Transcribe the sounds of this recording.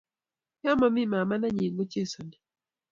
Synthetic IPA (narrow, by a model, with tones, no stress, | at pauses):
ja˦ma˨mi˦˨ma˨ma˦na˦ɲi˨ŋɡo˦t͡ʃe˦˨sɔ˨ni˨